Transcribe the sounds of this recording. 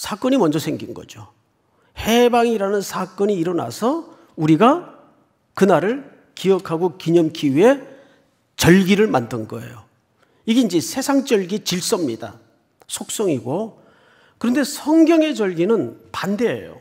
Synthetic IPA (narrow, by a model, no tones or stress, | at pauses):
sʰak͈ʌɲimʌnd͡ʑʌsʰe̞ŋɡinɡʌ̰d͡ʑo | he̞baŋiɾanɯnsʰak͈ʌɲiːɾʌna̰sʰʌ | uɾiɡa | kɯnaɾɯɭ | kiʌkʰaɡokiɲʌmkʰiwie̞ | t͡ɕʌɭɡiɾɯɭmandɯnɡʌḛjo | iɡeind͡ʑisʰe̞sʰaŋt͡ɕ͈ʌɭɡit͡ɕiɭs͈ʌmɲida̰ | sʰok̚s͈ʌŋiɡo | kɯɾʌnde̞sʰʌŋɡjʌŋe̞d͡ʑʌɭɡinɯnpande̞ḛjo̰